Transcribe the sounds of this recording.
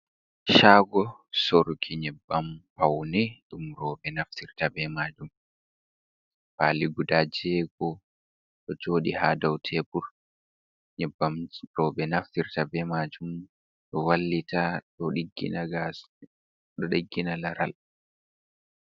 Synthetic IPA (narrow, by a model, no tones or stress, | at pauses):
ʃaːɡɔsoɾkʰiɲɛbːampawnɛɗumɾɔɓɛnaftiɾtabɛmad͡ʒum | paːliɡudad͡ʒɛːɡɔ | ɗɔd͡ʒoːɗḭhaːdawtʰɛpuɾ | ɲɛbːamɾɔːɓɛnaftiɾtabɛmad͡ʒum | ɗɔwalːitʰaɗɔɗiɡḭnaɡa | ɗɔɗiɡːinalaɾa̰l